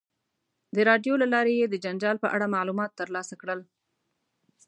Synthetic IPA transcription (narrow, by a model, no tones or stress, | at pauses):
d̪əɾɑɖjolalɑɾejed̪əd͡ʒand͡ʒɑlpəʔaɽamɑlumɑt̪ːəɾlɑsakɽəl